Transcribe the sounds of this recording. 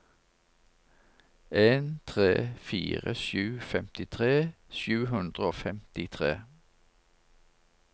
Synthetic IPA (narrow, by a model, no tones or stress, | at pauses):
ʔeːnt̪ʰʁḛːfḭːʁə̰ʃʉːfɛmt̪ɪt̪ʰʁeːʃʉːhʉnd̪ʁəoːfɛmt̪ɪt̪ʰʁḛː